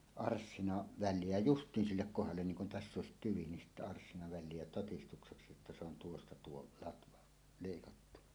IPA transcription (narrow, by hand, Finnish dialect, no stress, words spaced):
ɑrsːinɑ ʋælˑie jæ justiːn silːek kohɑlːen niːŋ kun tæsː oˑesit tyʋi nin sitːæ ɑrsːinɑ ʋælˑie jæ totistukseksi etːæ se on tuostɑ tuo lɑtʋɑ leikɑtːun̥ɑ̥